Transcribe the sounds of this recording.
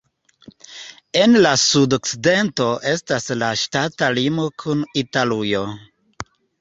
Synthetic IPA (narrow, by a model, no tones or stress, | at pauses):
e̞nlasudo̞kt͡side̞nto̞ʔe̞staslaʃtatalimo̞kʰunitalujo̞